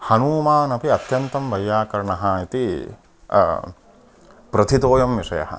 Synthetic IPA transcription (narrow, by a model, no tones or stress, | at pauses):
hɐnuːmaːnɐpiɐt̪jɐnt̪ɐmʋɐjːaːkɐɾɳɐɦɐit̪i | pɾɐt̪ʰit̪oːjɐmʋiʂɐ̰jɐ̰ɦɐ̰